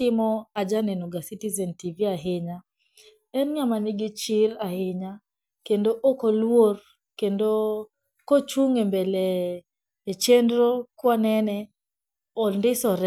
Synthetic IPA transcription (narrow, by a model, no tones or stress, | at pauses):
tɪmɔad͡ʒanɛnuɡasitizɛntiviaɦɪɲa | ɛnɲamanɪɡɪt͡ʃɪɾahɪɲa | kendoʔokɔlwor | kendo | kot͡ʃuŋembɛlɛː | t͡ʃɛndɾɔkwanɛnɛ | ɔndɪsɔɾɛ